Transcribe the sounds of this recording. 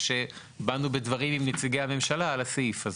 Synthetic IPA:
ʃe̞ | banubedvaʁimimnet͡siɡejhame̞mʃalaːlasifaz

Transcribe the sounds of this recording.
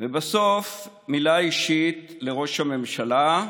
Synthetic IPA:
vebaso̞f | milaiʃit̪le̞ʁo̞ʃhame̞mʃala

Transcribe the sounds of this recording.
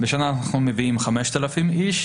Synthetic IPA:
beʃanaːnaχnumeviimχameʃt̪alafimiʃ

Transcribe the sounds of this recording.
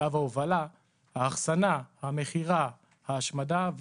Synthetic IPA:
avaovala | haːχsanahame̞χiʁa | haːʃmadav

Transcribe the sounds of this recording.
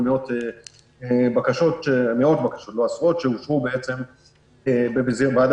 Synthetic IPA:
mio̞te | ebakaʃo̞tʃeameo̞t̪bakḁʃot̪lo̞asʁo̞t̪ʃeuʃʁubeet͡se̞m | ebebeziʁbad

